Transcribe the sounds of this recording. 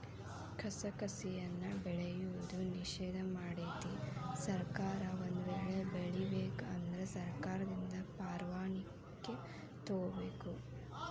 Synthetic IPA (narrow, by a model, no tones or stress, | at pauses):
kʰɐsɐkɐsijɐnːɐbɛɭejuʋud̪uniʃɛːd̪ʱɐmaːɽeːt̪isɐɾkaːɾɐond̪uʋɛːɭebeɭibeːkɐnd̪ɐɾesɐɾkaːɾɐd̪ind̪ɐpaːɾʋaːɳi | kːe | t̪oːɐbeːku